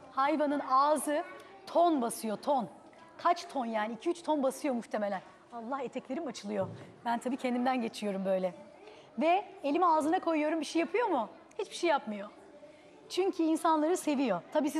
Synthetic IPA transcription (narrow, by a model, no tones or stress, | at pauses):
hajvanɯnaːzɯ | t̪ʰo̞nbasɯjo̞t̪ʰo̞n | kʰat͡ʃt̪ʰo̞njaːniːcʰiyt͡ʃt̪ʰo̞nbasɯjo̞muxt̪ʰeme̞lʲæn | alˠːahe̞t̪ʰɛclʲe̞ɾimat͡ʃʰɯlˠɯjo̞bænt̪ʰabiːcʰɛnd̪imnd̪ænɟe̞t͡ʃʰijo̞ɾumbø̞jlʲɛ | vɛelʲimiaːzɯnakʰo̞jujo̞ɾumbiʃejapʰɯjo̞mu | hit͡ʃbiʃejːapmɯjo̞ | t͡ʃʰyɲcʰyiːnsanlˠaɾɯse̞vijo̞t̪ʰabiːs̬i